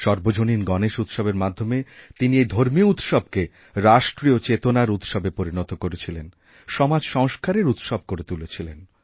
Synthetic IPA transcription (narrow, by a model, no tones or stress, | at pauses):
ʃɔɾbod͡ʑoninɡɔneʃut̪ʃɔbeɾmad̪ʱːomet̪iniejd̪ʱoɾmiut̪ʃɔb̚ke | ɾaʃʈɾiot͡ɕet̪onaɾut̪ʃɔbepoɾinɔt̪okoɾet͡ɕʰilen | ʃɔmad͡ʑʃɔŋʃkaɾeɾut̪ʃɔb̚koɾet̪ulet͡ɕʰilen